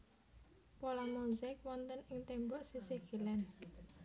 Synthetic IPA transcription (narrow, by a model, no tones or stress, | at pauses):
polamuzɪk̚wɔnt̪ənɪŋt̪embɔʔsisiɡ̥i̤lan